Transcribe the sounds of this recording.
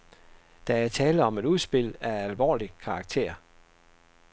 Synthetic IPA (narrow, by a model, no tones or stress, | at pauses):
d̥æ̈æɐt͡sʰɛːləɒ̽me̝d̥uð̞ˠsb̥e̝l̰æælʋɒ̰ːlikʰɑ̈ːɡ̥̚t͡sʰe̝̰ɐ